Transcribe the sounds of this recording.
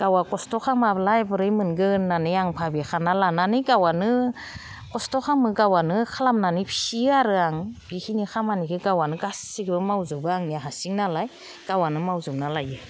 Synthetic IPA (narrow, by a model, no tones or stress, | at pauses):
ɡ̥awakɔstɔxʰamablajbɯɾɯjmɯnɡɯnːanɯjaŋpʰabixʰanalananɯɡawanɯ | kɔstɔxʰamɯɡawanɯkʰalamnanɯpʰiaɾɯaŋbihʰinixʰamanikʰɯɡawanɯɡasiɡbɯmawzubɯaŋniaɦasiŋnalaj | ɡ̥awanɯmawzumnalajɯ